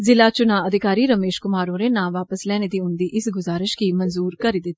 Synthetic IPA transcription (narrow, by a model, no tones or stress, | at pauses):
zɪlaːt͡ʃʊnãːəd̪ɪkaːɾiːɾəmeːʃkʊmaːɾõːɾeːnãːʋaːpəslɛːneːd̪iːʊnd̪iːʔɪsɡʊzaːɾɪʃkimənzuːɾkəɾiːd̪ɪt̪ː